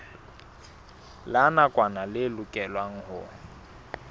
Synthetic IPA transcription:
lanakʼwanalɪlʊkʼɛlwaŋ̩hʊ̰

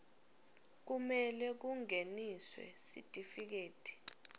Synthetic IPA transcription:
k̬umɛlɛk̬uŋeniswɛ̰sḭtʼifik̬eːtʼi̥

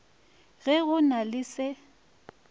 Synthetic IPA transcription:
ɣɛɣʊnalɪsɪ

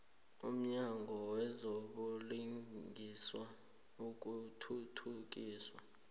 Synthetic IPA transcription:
um̩ɲaŋɡʱɔwɛzoɓuliiswa | uk̬utʰutʰuk̬iːswa

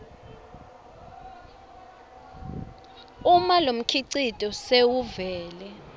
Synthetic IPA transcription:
umalom̩kʰiǀitʼɔsewuvɛːlɛ

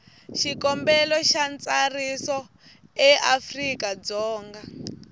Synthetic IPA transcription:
ʃikɔmbɛlɔʃant͡sarisɔ | ɛʔafrikad͡zɔːŋɡa

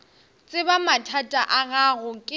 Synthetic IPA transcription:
t͡sʼɪbamatʰatʼaʔaɣaɣʊkʼɪ

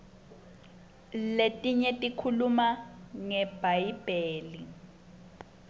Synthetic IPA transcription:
letʼiɲetʼikʰulumaŋɛb̥ʱaib̥ʱeːli

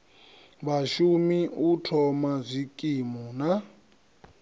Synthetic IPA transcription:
βaʃumiutʰɔmazʷikʼimɔna

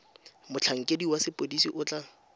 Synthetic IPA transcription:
mʊt͡ɬʰaŋ̩kʼediwasɪpʼodisiʔʊt͡ɬʼa

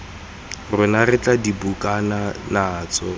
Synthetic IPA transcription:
rʊnarɪt͡ɬʼadibukʼananaːt͡sɔ

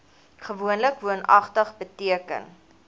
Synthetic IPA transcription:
χəvuənləkvuənʔɐ̰χtəχbətiəkə̰n

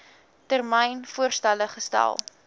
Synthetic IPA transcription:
tərmɛjnfuərstæləχəstæ̰lˠ

